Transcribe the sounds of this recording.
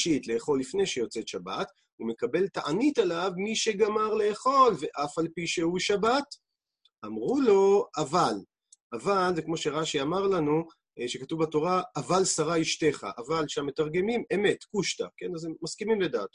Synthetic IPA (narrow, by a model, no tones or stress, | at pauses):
ʃit̪le̞ːχo̞lːifne̞jʃejo̞t͡set̪ʃaba̰t | ume̞kabe̞ltaʔanitalavmiʃe̞ɡamaʁle̞ːχo̞lve̞ʔafalpiʃeuʃabat | amʁulo̞aval | ʔavalzekmo̞ʃe̞ʁaʃiamaʁlanu | ʃe̞katuvbato̞ʁaavalsaʁaiʃte̞χa̰ʔavalʃaamːe̞taʁɡe̞mime̞me̞tkuʃt̪a̰ke̞nazeːaskimimledaːt̪